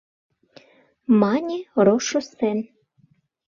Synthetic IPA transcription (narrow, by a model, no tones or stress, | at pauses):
mɑnʲiɾoʃŏsen